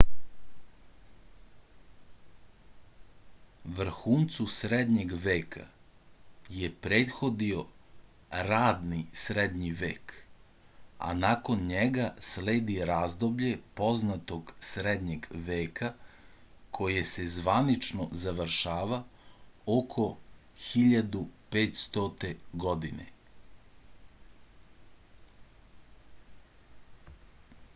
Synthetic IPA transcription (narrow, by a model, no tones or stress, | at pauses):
ʋr̩xuːnt̪susɾed̪ɲe̞ɡʋeːkʰa̰ | jepɾeːt̪xo̞d̪io̞ | ɾaːd̪nisɾed̪ɲiʋeːk | a̰nako̞nɲeɡasleːd̪iɾaːzd̪o̞bʎe̞po̞znat̪o̞ɡsɾed̪ɲeɡʋeːka | kʰo̞jese̞zʋanit͡ʃnozaʋəɾʃaːʋa | okʰo̞ | xiʎad̪upeːt̪st̪ot̪e̞ɡod̪inḛ